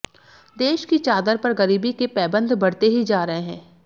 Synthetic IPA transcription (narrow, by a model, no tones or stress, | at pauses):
d̪eːʃkit͡ʃaːd̪əɾpɐɾɣɐɾiːbikepɛːbə̃nd̪ʱbɐɽt̪eɦid͡ʒaːɾɐɦeɦɛ̃ː